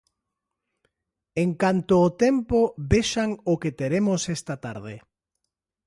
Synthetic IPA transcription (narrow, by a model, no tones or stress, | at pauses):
eŋkant̪ʊːt̪empoβeʃaŋʊket̪eɾemʊsest̪at̪a̰ɾðɪ̰